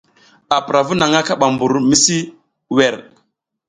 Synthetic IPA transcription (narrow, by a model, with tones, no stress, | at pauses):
a˨pɾa˨vu˦na˨ŋa˦ka˦ɓa˨mbu˨ɾmi˦si˦ | wɛ˨ɾ